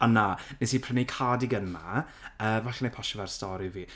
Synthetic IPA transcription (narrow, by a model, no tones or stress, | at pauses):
ananɪsipʰrənikʰadɪɡənma̰ | əːvaɬɛnejpʰɔʃɔvarstɔɾiviː